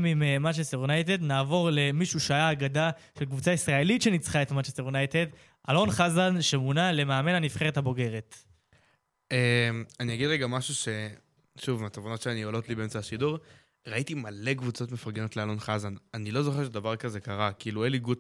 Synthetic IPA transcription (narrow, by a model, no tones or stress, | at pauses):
mimmat͡ʃeseʁunajt̪e̞d̪naːvo̞ʁle̞miʃuʃeajaːɡada | ʃe̞lkvut͡saisʁae̞litʃe̞nit͡sχae̞tmat͡ʃeseʁjunajt̪e̞d̪ | ʔalo̞nχazanʃemunale̞maːme̞nanifχe̞ʁethabo̞ɡe̞ʁe̞t̪ | emanijaɡid̪ʁeɡamaʃuʃe̞ | ʃuvimat̪ovono̞tʃeaniolo̞t̪libeemt͡saaʃiduʁ | ʁaitimale̞kvut͡so̞t̪mefaʁɡeno̞t̪lealo̞nχazananilo̞zo̞χe̞ʃed̪avaʁkaze̞kaʁakiːlueliɡut